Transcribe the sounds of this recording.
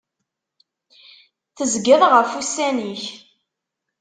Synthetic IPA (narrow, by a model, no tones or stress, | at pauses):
θəzɡəðˤʁəfusæniç